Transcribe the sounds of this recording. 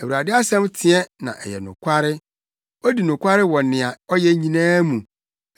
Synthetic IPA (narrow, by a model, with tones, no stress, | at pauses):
æ˨wu˨ɾa˨dɪ˦a˦sɛ̃˦mtʰɪ̃˨ɛ˦nã̰˨ʔɛ̰˨jɛ̰˨nʊ̰̃˨kʷʰa˦ɾɪ˦ | ɔ˦di˨nʊ̃˨kʷa˦ɾɪ˦wɔ̃˨nːɪ̃˨a˨ɔ˦jɛ˦ɲĩ˨nãː˦mũ˨